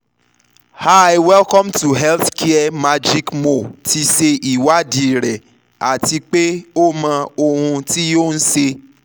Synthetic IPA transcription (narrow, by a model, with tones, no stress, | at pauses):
ha˦˨jwɛ˦lkɔ̃˦mtu˨ɦɛ˦lθkʰɛ˦ɛ˦ma˦d͡ʒi˦kmo˨ti˧se˧ʔi˨wa˦di˦˨ɾɛ˨ | a˨ti˧k͡pe˦o˦mã˧o˧hũ˧ti˦jo˦˨n̩˦ʃe˧